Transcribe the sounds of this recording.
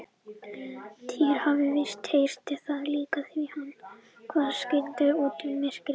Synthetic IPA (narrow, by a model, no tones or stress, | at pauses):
t̪ʰiːɾ̥havɪvɪst̪hejst̪ɪθaðliːkaθvihanː | kʰvaːðscɪlt̪ɪoːt̪ʏmːɪscɪ